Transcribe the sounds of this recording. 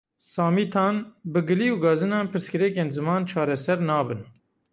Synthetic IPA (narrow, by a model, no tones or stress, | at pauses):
sɑːmiːt̪ʰɑːnbɨɡɨliːuːɡɑːzɨnɑːnpʰɨɾskɨɾɛkeːnzɨmɑːnt͡ʃʰɑːɾɛsɛɾnɑːbɨn